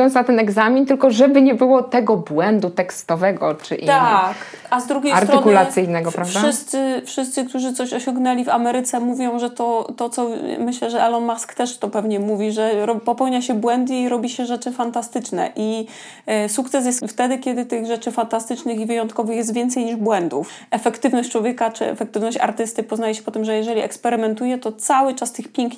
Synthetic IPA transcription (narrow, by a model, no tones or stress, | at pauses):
jɔnt̪snat̪ɛnɛɡzamʲint̪ɘlkɔʐɛbɘɲɛbɘwɔt̪ɛɡɔbwɛnd̪ut̪ɛkst̪ɔvɛɡɔt͡ʂɘ̰ʔit̪ak | azd̪ɾuɡʲejstɾt̪ɾɔnkulasɘjnɛɡɔpɾavʂaɘst̪sɘfʂɘst̪sɘk̚t̪uʐɘt̪sɔɕɔɕɔ̃ŋɡnɛlʲivamɛɾɘt̪sɛmuvʲjɔ̃w̃ʐɛt̪ɔt̪ɔt̪sɔmɘɕlɛʐɛʔɛlɔnmaskt̪ɛʂt̪ɔpɛvɲɛmuvʲiʐɛɾɔpɔpɛwɲaɕɛbwɛnd̪iːɾɔbʲiɕɛʐɛt͡ʂɘfant̪ast̪ɘt͡ʂnɛ̰ʔi | sukt̪sɛs̬jɛst̪ft̪ɛd̪ɘkʲɛd̪ɘt̪ɘɣʐɛt͡ʂɘfant̪ast̪ɘt͡ʂnɘxivɘjɔnt̪kɔvɘxjɛst̪vʲɛnt̪sɛjɲiʐbwɛnd̪uf | ʔɛfɛkt̪ɘvnɔɕt͡ɕt͡ʂwɔvʲjɛkat͡ʂɘ̰ɛ̰fɛkt̪ɘvnɔɕt͡ɕa̰ɾt̪ɘst̪ɘpɔznajɛɕɛ̥pɔt̪ɘmʐɛjɛʐɛlʲiɛkspɛɾɘmɛnt̪ujɛt̪ɔt̪sawɘt͡ʂast̪ɘxpʲjɛŋkɲ